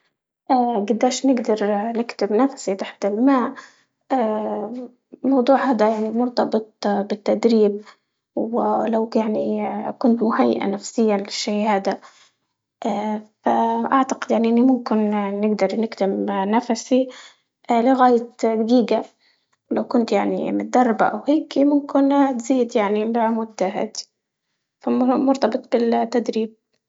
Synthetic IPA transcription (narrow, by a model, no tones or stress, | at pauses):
ʔaːɡad̪ːaːʃnɪɡd̪ɑɾˤnɪkt̪ɪbnafsit̪ˤaħt̪ɪlmaːʔ | aː | mɑwd̪ˤuːʕhaːd̪ajaʕnimʊɾt̪ˤɑbɨt̪̚ˤbɪt̪ːad̪ɾiːb̚ | wɪlawjaʕnikʊnt̪mʊhajːɪ̰ʔa̰nafsɪjːanlɪʃːeːhaːd̪a | ʔafaʔaʕt̪aqɪd̪jaʕniʔɪnːimʊmkɪnːɪɡd̪ɑɾˤnɪɡt̪ɪmnafasi | lɪɣaːjat̪ɡiːɡa | wlawkʊnt̪jaʕnḭmɪd̪ːɑrˤːba̰ʔa̰wheːkmʊmkɪnt̪ziːd̪jaʕnimbaʕmʊd̪ːaɦa̰ːd̪i | famʊɾt̪ɑbɨt̪ˤbɪlt̪ːad̪ɾiːb̚